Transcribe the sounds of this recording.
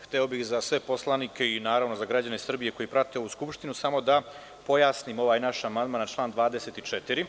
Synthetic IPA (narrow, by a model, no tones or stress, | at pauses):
xt̪eobixzasʋe̞po̞slˠanikʰʲe̞inaːɾaʋno̞zaɡɾad͡ʑanesr̩bije̞ko̞jipɾat̪eo̞ʋuskupʃt̪inusamo̞d̪a | po̞jaːsniːmo̞ʋaːjnaʃamand̪maːnt͡ʃlˠaːnd̪ʋaːd̪eset̪it͡ʃet̪iɾi